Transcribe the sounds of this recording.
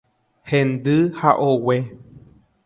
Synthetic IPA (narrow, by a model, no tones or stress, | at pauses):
hẽnd̪ɨhaʔowe